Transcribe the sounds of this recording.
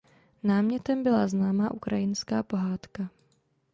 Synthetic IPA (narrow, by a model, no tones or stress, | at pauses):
naːmɲɛt̪ɛmbɪlaznaːmaːʔukɾajɪnska̰ːpo̞ɦaːt̪ka